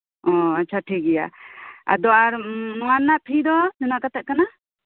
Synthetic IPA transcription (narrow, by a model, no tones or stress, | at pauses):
ɔatːt͡ʃʰaʈʰikɛja̰a̰d̪ɔaɾnɔanːaʔp̪ʰid̪ɔd͡ʒunaʔkat̪ɛʔ̪̚kana